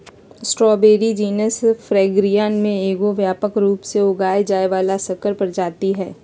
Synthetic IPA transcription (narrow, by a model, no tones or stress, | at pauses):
sʈɾɔːbeːɾid͡ʒiːnəsfɾɛːɡɾijaːnmẽeːɡoʋjaːpəkɾuːpseʊɡaːed͡ʒaːeʋaːlasɐkəɾpɐɾd͡ʒaːt̪iɦɛː